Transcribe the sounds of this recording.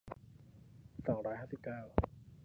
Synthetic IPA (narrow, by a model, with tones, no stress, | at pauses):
sɔː˩˦ŋɾɔː˦˥jhɦaː˥˩si˨˩p̚kaː˥˩w